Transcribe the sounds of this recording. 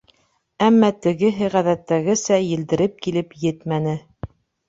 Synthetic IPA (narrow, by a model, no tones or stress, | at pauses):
æmːæt̪ɘ̆ɡɘɦɘʁæðæt̪ːæɡɘsæjɘ̆ld̪ɘ̆ɾɘp̚kilɘpjɘt̪mænɘ